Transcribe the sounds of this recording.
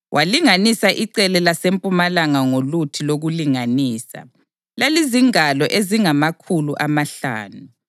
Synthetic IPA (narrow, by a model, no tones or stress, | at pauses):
wʔaliŋanisaʔiǀɛlɛlasempʼumalaŋaŋolutʰiloɣuliŋaniːsa̰ | laliziŋalɔʔeziŋamakʰuluʔamaɬa̰ːnu